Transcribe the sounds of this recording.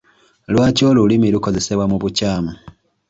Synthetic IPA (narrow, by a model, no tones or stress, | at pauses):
lwaːco̞ːlulimiluko̞ze̞se̞βwamuβucaːmu